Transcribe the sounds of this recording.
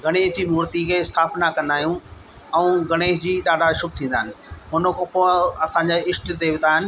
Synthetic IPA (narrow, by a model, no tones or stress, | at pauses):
ɡʱɐɽ̃eːɦd͡ʑiːmuːɾt̪ikʰeːɪst̪ʰaːpnakɐ̃nd̪aːijũ | ɛ̃ũɡʱɐɽ̃eːɦd͡ʑiːɗaːɖʱaʃʊb̚ʱt̪ʰĩːnd̪aːɦɪnɪ̆ɦʊnəkpoɐsãɲd͡ʑaɪʃʈd̪eːʋɪt̪aːɦɪnɪ̆